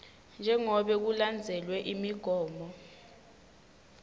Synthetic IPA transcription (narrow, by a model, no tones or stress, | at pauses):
nd͡ʒʱɛŋɔɓɛk̬uland͡zʱɛlwɛʔimiɡ̥ʱɔːmbɔ